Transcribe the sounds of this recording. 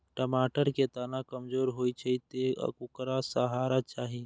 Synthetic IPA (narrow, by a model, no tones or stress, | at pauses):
ʈəmaːʈəɾket̪aːnakəmd͡ʒoːɾɦoːit͡ʃʰɐit̪ḛkʊkɾasəɦaːɾat͡ʃaːɦi